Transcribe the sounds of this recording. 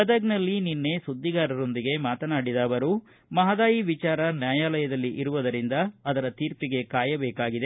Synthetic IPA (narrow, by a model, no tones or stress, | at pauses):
ɐd̪ɐɡnɐlːininːe̞sud̪ːiɡaːɾɐɾo̞nd̪iɡe̞maːt̪ɐnaːɽid̪aːʋɐɾu | mɐɦɐd̪aːjiʋit͡ʃaːɾɐnjaːjaːlɐjɐd̪ɐlːiʔiɾuʋɐd̪ɐɾind̪ɐːd̪ɐɾɐt̪iːɾpiɡe̞kaːjɐbɛːkaːɡid̪e